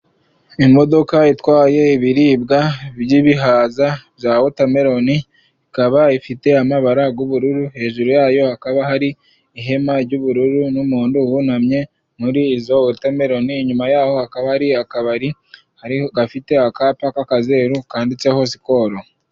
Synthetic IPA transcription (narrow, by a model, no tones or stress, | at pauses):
imo̞do̞kaitwaːje̞iβiɾiːbɡabjiβiɦaːzabjaːwotame̞ɾo̞ni | ikaβaifite̞amaβaɾaɡuβuɾuɾuhe̞ːʒuɾojaːjo̞hakaβaɦaɾiː | ɦe̞maɾɟuβuɾuɾunumuːnduwunamɲe̞ | muɾiːzowetame̞ɾo̞niɲumajaːho̞hakaβahaɾiakaβaɾi | haɾiɡafite̞akaːpakakaze̞ːɾukaːndit͡seho̞s̬i̥ko̞ːɾo